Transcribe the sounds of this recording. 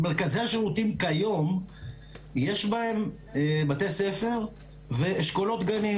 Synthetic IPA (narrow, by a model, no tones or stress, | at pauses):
meʁkaziaʃeʁut̪imkajo̞m | je̞ʃbahe̞m | bat̪e̞se̞fe̞ʁ | ve̞ːʃkolo̞t̪ɡani